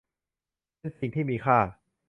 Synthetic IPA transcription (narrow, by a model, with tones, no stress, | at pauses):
p | e˧nsi˨˩ŋt̪ʰiː˥˩miː˧kʰaː˥˩